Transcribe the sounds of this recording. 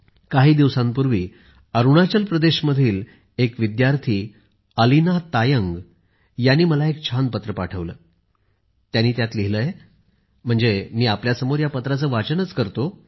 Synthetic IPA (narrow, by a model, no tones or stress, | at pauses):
kaɦiːd̪iʋsãmpuɾʋiː | əɾuɽ̃at͡ɕəlpɾəd̪eɕməd̪ʱiːl | ekʋid̪jaɾt̪ʰiː | əlinat̪ajəŋɡ | janiːməlaek̚t͡ɕʰanpət̪ɾəpa̰ʈʰəʋləː | t̪janːiːt̪jat̪liɦiləːje | m̤əɳd͡zemiːapljasəmoɾjapət̪ɾat͡səːʋat͡sənət͡skəɾt̪o